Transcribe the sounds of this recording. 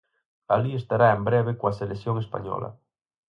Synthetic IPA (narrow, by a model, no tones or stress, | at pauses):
aliest̪aɾaembɾeβ̞ekoaseleθjoŋespa̰ɲɔ̰la̰